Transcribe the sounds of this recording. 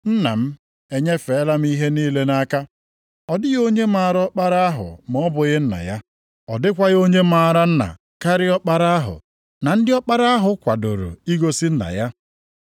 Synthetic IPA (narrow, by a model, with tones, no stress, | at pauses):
n̩˦na̰˨m̩˦ | e˨ɲe˦fe˨˦la˦m̩˦i˦ɦe˦niː˦le˦na˦ka˦ | ɔ˨dɪ˦ɣo˦ɲe˦ma˦˨ɾɔ˦k͡pa˦ɾa˦a˦ɦʊ̰˨m˨ɔ˦bʊ˨ɣɪ˦n̩˦na̰˨ja˦ | ɔ˨dɪ˦kʷa˦ɣo˦ɲe˦ma˨ɾa˦n̩˦na̰˨ | ka˦ɾɪ˦ɔ˦k͡pa˦ɾa˦a˦ɦʊ̰˨ | na˨n̩˦dɪ˦ɔ˦k͡pa˦ɾa˦a˦ɦʊ˨kʷa˨do̰˨ɾo̰˨i˦ɡo˦si˦n̩˦na̰˨ja˦